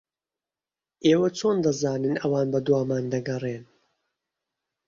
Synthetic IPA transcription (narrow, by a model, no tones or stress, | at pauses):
ʔeːwɐt͡ʃʰoːnd̪ɐzaːnɨnɐwaːnbɐd̪waːmaːnd̪ɐɡɐreːn